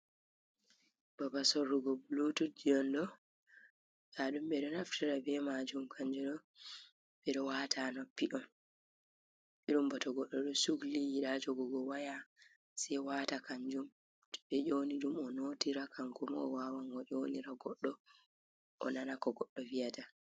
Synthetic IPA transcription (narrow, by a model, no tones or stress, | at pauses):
b̥abasɔrːuɡɔbulutud͡ʒiɔndɔ | jaɗumɓɛɗɔnaftiɾabɛmad͡ʒumkʰaɲd͡ʒɔɗɔ | ɓɛɗɔwaːtʰanɔpːiʔɔn | ɓiɗumbɔtɔɡɔɗːɔɗɔsuɡlijiɗad͡ʒɔɡɔɡɔwaja | sɛjwaːtakaɲd͡ʒum | tɔ̥ɓɛd͡ʒoniɗumɔnotiɾakʰaŋkumɔ̰wawaŋɡɔʔoniɾaɡɔɗːɔ | ʔɔ̰nanakɔɡɔɗːɔvijata